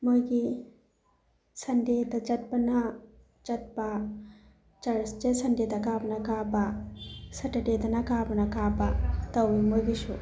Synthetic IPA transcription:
mojɡi | sɐndedɐd͡ʒɐt̚bɐnɐ | d͡ʒɐt̚ba | t͡ʃɐɾsd͡ʒesɐndedɐkabɐnɐkabasɐtɐdedɐnakabɐnɐkabɐtɐwmimojɡisṵ

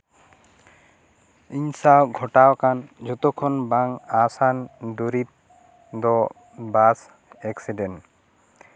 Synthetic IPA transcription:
iɲsawɡʱɔʈaokand͡ʒɔt̪ɔkʰːonbaŋasand̪oɾip̚ | d̪ɔ | bas | ɛksiɖen

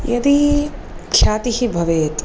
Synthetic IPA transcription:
jɐd̪i | kʰjaːt̪iɦibʱɐʋeːt̪

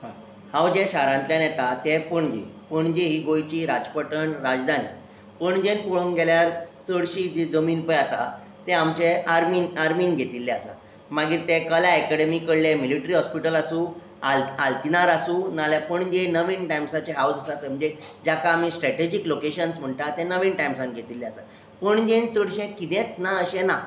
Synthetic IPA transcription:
hã | hawd͡ʑeɕaɾãnt̪ljanjɛt̪at̪epəɳd͡ʑḭpəɳd͡ʑeɦiːɡojt͡ɕiɾad͡zpəʈəɳɾad͡zd̪ʱanḭː | pəɳd͡ʑenkuɭəŋɡʱɛljaɾt͡səɽɕiːd͡ʑid͡zəmiːnpəjasa̰ | t̪ɛamt͡ɕeaɾmiːnaɾmiːnɡʱet̪ilːeasa̰ | maɡiːɾt̪ẽkəlaɛkɛɽemikəɽlemiliʈɾiɦɔspiʈəlasũː | alalt̪inaɾasuːnalapəɳd͡ʑenəʋiːnʈajmsat͡ɕeɦausəsat̪əm̤əɳd͡ze | d͡ʑakaːm̤iːsʈɾɛʈed͡ʑiklokeɕənsm̤əɳʈat̪ẽnəʋĩnʈajmsãnɡʱet̪ilːeasa | pəɳd͡ʑẽnt͡səɽɕẽkid̪ẽt͡snaəɕẽna

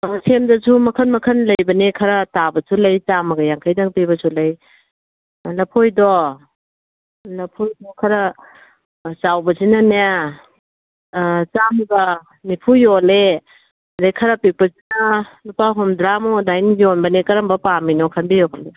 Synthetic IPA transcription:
sʰemdɐsʰumɐkʰɐnmɐkʰɐnlɐjbɐnekʰɐɾɐtabɐsʰulɐjt͡ʃamɐɡɐjaŋkʰajdɐŋpiβɐsulɐj | lɐpʰojdɔ | lɐpʰujdɔkʰɐɾɐ | t͡ʃawbɐzinɐneja | t͡ʃamɐɡɐ | nipʰujole | dejkʰɐɾɐpik̚pɐzinɐlupaɦomdɾamodajniɡionbɐnekɐɾɐmbɐpaminɔkʰɐnbijɔkʰle

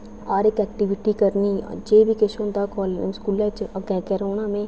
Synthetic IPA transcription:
aːɾeːkɛːk̚ʈiʋɪʈikɐɾnid͡ʒeːbikeʃõːnd̪akɔːlːɪ̰skuːlɛt͡ʃɡɛ̃kɛɾoːñãmẽ

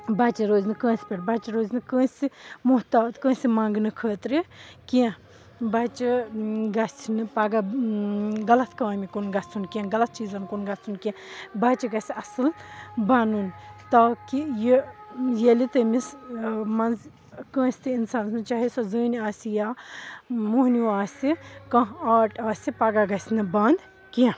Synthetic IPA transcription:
bat͡ʃɐɾoːznɨkə̃ːsʲpʲeʈ̚bɐt͡ʃɐɾoːznɨkəːsimuɦt̪at̪kə̃ːsʲimaːŋɡnɨkʰəːt̪ɾikiã | bat͡ʃiɡɐsʰinɨpaːɡa | ɡɐlɐt̪ʰkɐʋamikunɡɐt͡sʰunkiẽɡɐlɐt̪̚t͡ʃiːzɐnkunɡɐunkʲĩbaːt͡ʃiɡɐsʲiɐsɨlbaːnunʲt̪ɐkijijelit̪ɨmismɐnz | kə̃ːsʲt̪ɨinsaːnsmɨt͡ʃaɦisozəːnaːsʲijaː | muɦnuaːsʲikɐ̃aːʈʰaːsʲipaːɡaɡɐsʲnɨbɐnd̪ | kiã

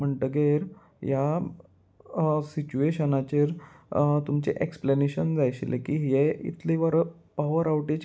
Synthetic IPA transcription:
m̤əɳʈəɡeɾ | ja | sit͡ɕueɕənat͡ɕeɾt̪umt͡ɕḛʔekspleneɕənd͡zajɕilʔḛkiɦjeḭt̪liʋəɾ | paʋəɾawʈed͡ʑ

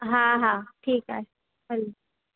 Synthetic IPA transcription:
ɦãɦãʈʰiːka | bəli

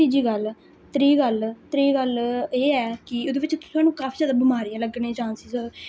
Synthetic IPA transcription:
iːd͡ʒiːɡəl | t̪ɾiːɡəlt̪ɾiːɡəleːɛːkɪʊd̪eːbɪt͡ʃsʊaːnũːkaːfʰiːzjaːd̪aːbɪmaːɾijãːləɡnẽːt͡ʃaːnsiːsə

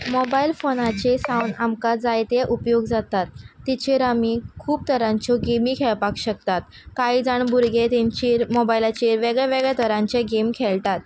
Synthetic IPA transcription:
mobailfonat͡ɕesawɳɖamkad͡zajt̪ɛʔupjoɡd͡zat̪at̪ːit͡ɕeɾamiːkʰuːp̚t̪əɾãɲt͡ɕɔɡemikʰɛɭpakɕək̚t̪at̪ | kaɦiːd͡zaɳbuɾɡet̪ɛ̃ɲt͡ɕiɾmobailat͡ɕeɾʋeɡɭɛʋeɡɭɛt̪əɾãɲt͡ɕeɡemkʰɛɭt̪at̪̚

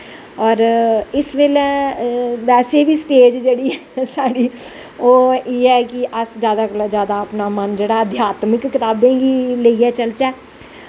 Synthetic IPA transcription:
ɔːɾɪsʋɪl | ʋɛːsebiːsʈeːd͡ʒd͡ʒeːɽiːɛsaːɽiː | oːeːɦɛːkiʔəsd͡ʒjaːd̪aːklad͡ʒjaːd̪aəpnaːmənd͡ʒeːɽaːəd̪jaːt̪mɪkːɪt̪aːbẽːɡiːleiɛːt͡ʃəlt͡ʃɛː

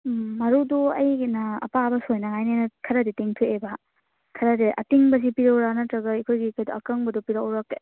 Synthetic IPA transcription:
mɐɾudoɐjnaɐ̰pabɐsojnɐŋajnenɐkʰɐɾadeteŋtʰuebɐ | kʰɐɾadeʔɐtiŋbɐs̬ipiɾawɾanɐtɾɐɡɐikʰojɡikʰojdoɐ̰kɐŋbɐdopiɾawɾak

